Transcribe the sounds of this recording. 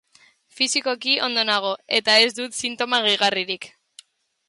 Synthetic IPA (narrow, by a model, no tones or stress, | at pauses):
fisiko̞kiʔo̞̰nd̪o̞naɣ̞o̞e̞t̪ae̞zd̪ut̪sint̪o̞maɣejɣariɾik